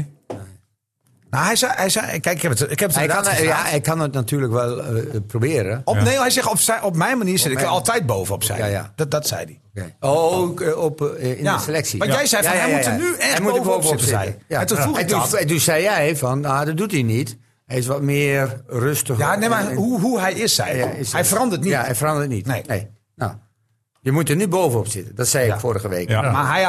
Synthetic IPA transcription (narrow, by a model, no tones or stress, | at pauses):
nahɛjsɛɛjsɛkɛɪkɛpətɪkɛpətɛdaanjaɛkʰːanətnatʰyːələkʋɛlˠprobɪəɾəɔnehɛjsɪxɔpsɛʔɔpmɛjnmaniːrsɪnɪkɛɔlˠtɛjt̚boːvəɔpsɛ̰a̰ddɔtsɛ̰jdi | ekɔpɪnjaəselɛksiʋɔnjɛjsɛjɔɛjmutənyɛɛjmuəvboːvəɔpsɛjaɛtufudɛdussɛjjɛjfɔnadɔdutinit | hɛjɪs̬ʋɔt̚mɪərrøstəxanemahuɦuɦɛjɪsɛ̰jjɪshɛjfərɑndətnijahɛjfərɑndərtnitneneː | no̰ | jəmutərnyboːvənɔpsɪtədɔtsɛjɪkfoːɾəɣəʋeːkmaɦɛj